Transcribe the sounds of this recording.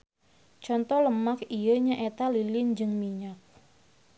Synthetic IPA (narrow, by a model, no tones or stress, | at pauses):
t͡ʃɔnt̪ɔhləmakijəɲaʔet̪alilɪnd͡ʒɨŋmiɲak̚